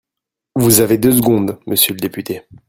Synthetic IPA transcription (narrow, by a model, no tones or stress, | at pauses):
vuzaved̪øs̬əɡɔ̃d̪məsjøləd̪epyt̪e